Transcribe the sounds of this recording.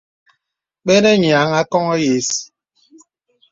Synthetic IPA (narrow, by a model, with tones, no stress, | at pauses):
k͡pe˦ne˦ɲ˨a˨˦ŋa˦kɔ˦ŋɔ˦je˨si̥˨